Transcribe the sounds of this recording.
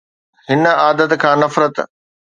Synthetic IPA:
hɪnaːd̪ət̪kʰãːnɐfɾət̪

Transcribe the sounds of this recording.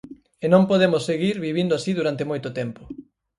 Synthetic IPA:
enõmpoðemʊsːeɣiɾβiβ̞ind̪oasiðuɾant̪emojt̪ʊt̪ɛmpʊ

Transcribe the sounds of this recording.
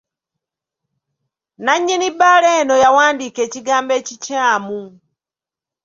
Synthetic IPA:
naɲːenibaleːnojawaːndikeːciɡaːmbeːcicaːmu

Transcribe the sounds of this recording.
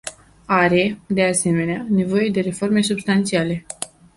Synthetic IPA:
aɾe̞d̪e̞ase̞me̞neane̞vo̞je̞d̪e̞ɾe̞fo̞rme̞subst̪ant̪siale̞

